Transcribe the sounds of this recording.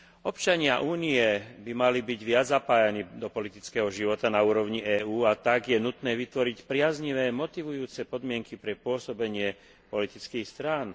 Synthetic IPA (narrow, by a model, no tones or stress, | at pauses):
ɔpt͡ʃaɲɪaʔuːniɛbimalibiɟʋɪad͡zzapaːjaniːd̪ɔpɔlit̪it͡skɛɦɔʒiʋɔt̪anauːɾɔʊɲiɛːuːat̪aɡjɛnut̪nɛːʋit̪ʋɔɾicpɾɪazɲiʋɛːmɔt̪iʋujuːt͡sɛpɔd̪mɪɛŋkipɾɛpʊɔsɔbɛɲɪɛ | pɔlit̪it͡skiːxst̪ɾaːn